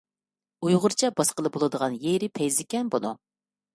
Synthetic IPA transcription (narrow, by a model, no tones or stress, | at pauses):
ujʁʊɾt͡ʃʰɛbɑsqəlˠɨbolˠɨd̪əʁɑnjeɾɪpʰɛjzɪkʲɛnbonṵ